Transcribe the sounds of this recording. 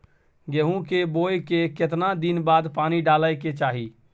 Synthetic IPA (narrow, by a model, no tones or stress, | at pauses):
ɡeɦũkebojkeket̪nad̪inbad̪paniɖaləjket͡ʃaːɦi